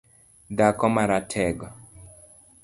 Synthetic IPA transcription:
d̪akɔmaɾatʰɛɡɔ

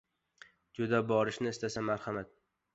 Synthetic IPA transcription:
d͡ʒʊd̪abɒɾɪʃnɪːst̪ʰasamːaɾhamat̪̚

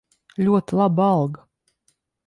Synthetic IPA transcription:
lʲuɔt̪lˠabalˠɡ

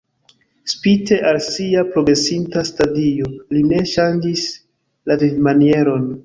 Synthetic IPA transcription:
spite̞ʔalsiapɾo̞ɡɾe̞sintastadio̞line̞ʃand͡ʒis | lavidmanie̞ɾo̞n

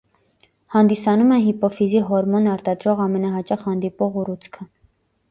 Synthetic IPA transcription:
hɑnd̪isɑnumɛɦipɔfiziɦɔɾmɔnɑɾt̪ɑd̪ɾɔʁɑmɛnɑɦɑt͡ʃɑχhɑnd̪ipɔʁurut͡sʰkʰə

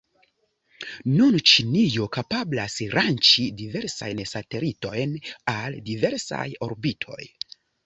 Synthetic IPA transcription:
nunt͡ʃinijokapablasɾant͡ʃidive̞ɾsa̰jnsate̞lito̞jnaldive̞ɾsa̰jo̞ɾbitʰo̞̰j

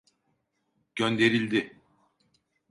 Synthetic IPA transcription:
ɟ̥ønd̪e̞ɾilʲd̪ɪ

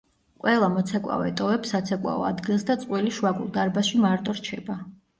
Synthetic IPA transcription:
kʼwɛlˠamɔt̪sʰɛkʼwa̰ɔɛt̪ʼɔvɛpsat̪sʰɛkʼwa̰ɔ̰ad̪ɡilˠsd̪at̪sʼqʼwiliʃuwaɡṵlˠd̪aɾbaʃimaɾt̪ʼɔɾt͡ʃʰɛba

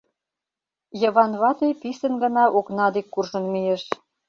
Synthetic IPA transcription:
jɤβɑnβɑt̪ejpisə̆nɡə̆nɑʔoknɑd̪ekːurʒə̆nmieʃ

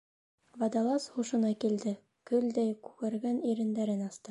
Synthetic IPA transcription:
vɑd̪ɑlˠɑsχuʃɤ̆nɑkild̪ɘ | kɵld̪æjkʉkæɾɡæniɾɘ̆nd̪æɾɘnɑst̪ɤ

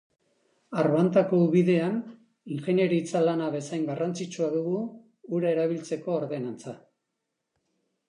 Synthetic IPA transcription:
aɾβant̪ako̞uβiðe̞an | iŋxe̞ne̞ɾit͡salanaβe̞sajŋɡarant͡sit͡ʃuaðuɣuː | ɾaeɾaβ̞ilt͡se̞ko̞ːɾðe̞nant͡sa

